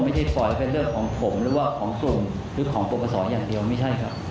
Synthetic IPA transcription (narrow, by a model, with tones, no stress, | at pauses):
ma˥˩jt͡ɕʰa˥˩jpɔ˨˩jpe˧ɾɯ˥˩əkʰːɔː˩˦ŋpʰo˩˦mɾɯː˩˦waː˥˩kʰɔː˩˦ŋsu˨˩ŋ | ɾɯː˨˩˦kʰɔː˩˦ŋpo˨˩pʰːa˧sɔː˩˦njaː˨˩ŋdi˧əwma˥˩jt͡ɕʰa˥˩jkʰɾa˦˥p̚